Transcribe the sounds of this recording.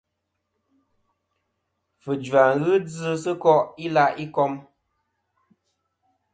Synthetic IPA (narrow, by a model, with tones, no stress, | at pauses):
fɨ˨d͡ʒwa˨ŋɣɨ˦d͡zɨ˦sɨ˦kɔ˦ʔi˦la˦˨ʔi˦kɔ˦m